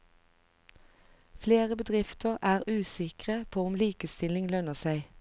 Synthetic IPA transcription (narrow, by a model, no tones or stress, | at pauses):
fleːʁəbəd̪ʁɪft̪əʁʔæːʁʉːsɪkʁəpʰoːʊmliːkəst̪ɪlɪŋlœnəsæɪ